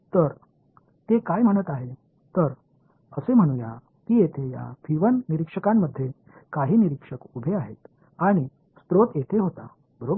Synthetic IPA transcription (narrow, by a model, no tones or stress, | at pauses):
t̪əɾ | t̪ekajm̤əɽ̃ət̪aɦe | t̪əɾ | əsem̤əɽ̃uja̰ | t̪iːjet̪ʰeja̰fʰiʋənːiɾikʂəkamːəd̪ʱːje | kaɦiːniɾikʂəkubʱeaɦḛt̪ | aɽ̃i | spɾot̪jet̪ʰeɦot̪a̰ | bəɾobə